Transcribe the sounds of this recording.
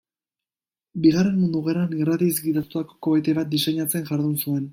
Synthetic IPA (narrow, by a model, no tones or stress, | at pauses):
biɣ̞are̞nmund̪uɣeɾaniɣɾat̪izɡiðat̪ut̪ako̞ko̞βet̪e̞βat̪̚d̪ise̞ɲat͡se̞nʝaɾðunsue̞n